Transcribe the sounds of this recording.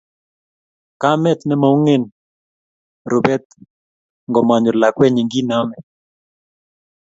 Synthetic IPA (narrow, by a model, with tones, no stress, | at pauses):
ka˦mɛ˦t̪nɛ˦ma˨u˦ŋe˦n | ɾo˨bɛ˦t̪̚ | ŋɡɔ˨ma˨ɲɔ˨la˨kwɛ˦ɲi˨ŋɡi˦na˦mɛ˨